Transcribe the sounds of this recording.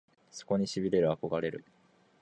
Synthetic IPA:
so̞̥ko̞ɲ̟iɕibʲiɾe̞ɾɯ̟ako̞ɡaɾe̞ɾɯ̟

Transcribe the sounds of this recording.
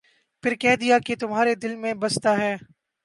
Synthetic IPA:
pɪɾkɛɦd̪ijaket̪ʊmɦaːɾed̪ɪlmẽbɐst̪aɦɛː

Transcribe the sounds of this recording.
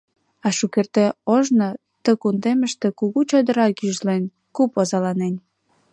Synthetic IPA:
ɑʃukert̪eoʒno | t̪əkund̪eməʃt̪ĕkuɣut͡ɕod̪ə̆ɾɑkyʒlen | kupozɑlɑnen

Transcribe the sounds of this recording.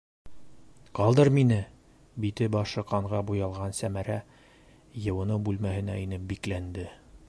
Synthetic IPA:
qɑlˠd̪ɤɾminɘ | bit̪ɘbɑʃɤ̆qɑɴʁɑbujɑlˠʁɑnsæmæɾæ | jɤ̆wɤ̆nɤbʉlmæɦɘ̆næinɘp̚biklænd̪ɘ

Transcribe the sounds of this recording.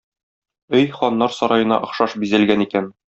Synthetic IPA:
ɵjχɒnːɑɾsɒɾɑjɤ̆nɑ̰ʔɤ̆χʃɑʃbizælɡænikæn

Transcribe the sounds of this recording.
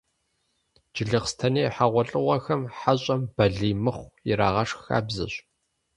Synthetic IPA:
d͡ʒɪɮɨχstʰɐneːħaʁʷɔɬʼɨʁʷɐxɐmħaɕʼɐmb̥ɐɮiːmɨχʷiɾa̰ːʁɐʂxa̰ːbzɨ̰ɕ

